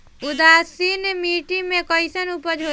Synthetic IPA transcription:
ud̪asinmiʈimekɔjsənupəd͡ʒʱɦo

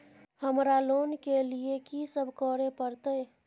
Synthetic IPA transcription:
həmɾalonkeliekisəbʱkəɾepəɾt̪əj

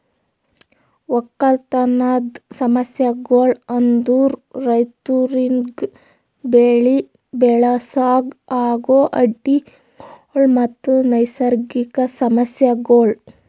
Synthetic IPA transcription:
ʋɔkːɐlt̪ɐnaːd̪sɐmɐsjɐɡoːɭɐnd̪uːɾːɐjt̪uɾiŋɡ | beːɭi | bɛɭasaːɡaːɡoːʔɐɖːi | ɭmɐt̪ːunɐjsɐɾɡikɐsɐmɐsjɐɡoːɭ

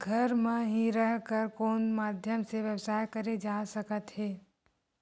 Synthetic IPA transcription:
ɡʱəɾmẽɦiɾəɦkəɾkoːnmaːd̪ʱjəmseʋjəwsaːjkɐɾed͡ʒaːsəkət̪heː

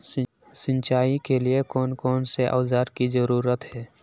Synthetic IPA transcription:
sɪ̃nt͡ʃaːikeliekɔːnkɔːnseʔa̰ːzaːɾkizəɾuːɾət̪ɦɛː

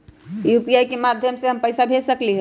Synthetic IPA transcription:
jup̪ijajkemad̪ʱjəmseɦəmpəɪsabʱesəkliɦə

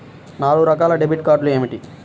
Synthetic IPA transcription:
naːluɾɐkaːlɐɖebiʈkaːɾɖlue̞ːmiʈi

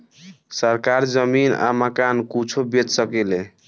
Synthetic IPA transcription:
səɾkaɾd͡ʒəmina̰məkankut͡ʃʰobet͡ʃsəkɛle

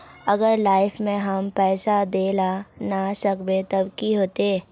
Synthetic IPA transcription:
ɐɡəɾlaːɪfmẽɦɐmpɛːsad̪eːlanasəkbẽt̪ɐbkiɦoːt̪eː

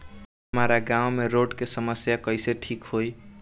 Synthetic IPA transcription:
ɦəmaɾaɡãwmeɾoɖkesəməsjakəɪseʈʰikhoj

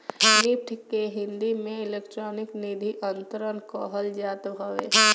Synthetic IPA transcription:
nɪpʈʰkeɦɪ̃nd̪imẽɪleːkʈɾɔːnɪknid̪ʱiʔənt̪əɾənkoɦəld͡ʒaːt̪bʱəʋḛ

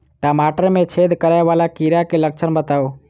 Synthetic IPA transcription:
ʈaːmaːʈəɾmẽt͡ʃʰeːd̪ʱkəɾaeʋaːlakiɾakeləkt͡ʃʰənbət̪aːoː

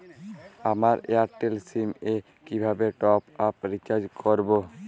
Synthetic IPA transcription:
amaɾḛaɾʈelsime | kibʱabeʈɔpapɾit͡ʃad͡ʒkʰoɾbo

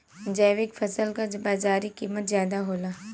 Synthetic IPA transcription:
d͡ʒɛːʋɪkfʰɐsəlkad͡ʒbaːzaːɾikiːmət̪zjaːd̪aɦoːlaː

